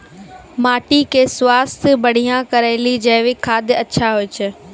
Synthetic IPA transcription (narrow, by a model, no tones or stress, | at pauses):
maːʈikʰeːsʊwaːst̪ɪbɐɽ̤ijãkɐɾaːɪlid͡ʑɐːʋɪkʰaːd̪ɪɐtːɕʰaɦoɪt͡ɕʰɪ